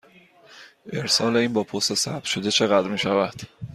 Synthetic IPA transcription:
ʔe̞ɾsɒːle̞iːnbɒːpʰost̪esæ̰bb̥̚ʃo̞d̪e̞t͡ʃʰe̞ɣæd̪ɾmiːʃævæd̪̥

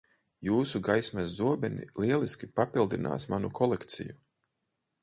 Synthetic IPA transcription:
juːsuɡajsmɛzːuɔbɛnḭlˠiɛlˠiskʲipapilˠd̪ina̰ːsmanukʰɔlˠɛkt̪sḭju

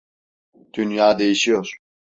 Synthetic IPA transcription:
d̪̥ynjaːd̪e̞jiʃijoɾ̥

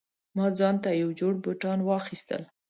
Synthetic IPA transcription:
mɑd͡zɑnt̪ajawd͡ʒoɽbʊʈɑnwɑxist̪ə̰l

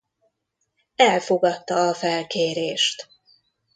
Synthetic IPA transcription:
ɛlfo̞ɡɒt̪ːɒɒfɛlkeːɾeːʃt̪

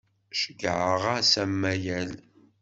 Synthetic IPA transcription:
ʃəɡʕəʁasæmːæjæl

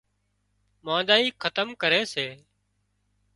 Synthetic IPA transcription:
mãːd̪aːiːkʰət̪əmkəɾeːseː

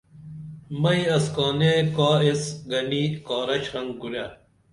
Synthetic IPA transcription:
mɐjɐskoːnekaːesɡɐnikaːɾɐɕhɐŋɡɡuɾja

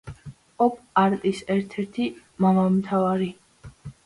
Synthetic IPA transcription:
ɔpʰʼaɾt̪ʼisɛɾt̪ʰɛɾt̪ʰi | mavalˠmt̪ʰavaɾi

